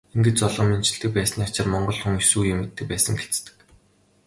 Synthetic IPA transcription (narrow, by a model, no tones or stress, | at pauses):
eŋɡɘ̆t͡ɕt͡sɔɮʁɞ̆mːent͡ɕɪ̆ɬt̪ɘ̆k̚pæːsniːat͡ɕɪ̆rmɔɴɢɞ̆ɮxuŋsuːjʊmːet̪̚ːɘ̆k̚pæːsə̆ŋxet͡st̪ɘ̥̆k